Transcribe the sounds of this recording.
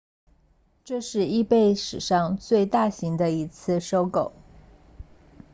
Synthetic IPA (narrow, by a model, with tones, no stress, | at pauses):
ʈ͡ʂɤ˥˧ʂɻ̩˥˧i˥˧pe˥˩ɪʂɻ̩˨˩ʂɑ˥˧ŋt͡swe˥˧ɪt̪a˥˩ɕi˧˥ŋd̪ə˧i˧˥t͡sʰɹ̩˥˩ʂo˥ʊko˨˩ʊ